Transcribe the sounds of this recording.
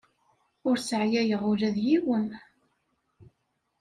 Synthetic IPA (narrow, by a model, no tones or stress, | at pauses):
ʊɾsəʕjæjəʁʊlæðjiwən